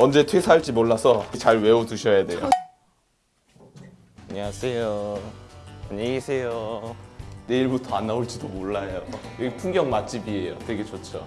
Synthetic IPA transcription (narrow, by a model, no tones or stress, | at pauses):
ʌnd͡ʑe̞tʰwesʰaɭt͡ɕ͈imoɭːasʰʌt͡ɕaɭwe̞otuɕʰʌjade̞jo̰ | aɲiasʰejo | aɲeɡisʰe̞jo | ne̞iɭbutʰoanːaoɭt͡ɕ͈idomoɭːajojʌɡipʰuŋɡjʌŋmat͡ɕ͈ibie̞jotwe̞ɡe̞t͡ɕot͡ɕʰo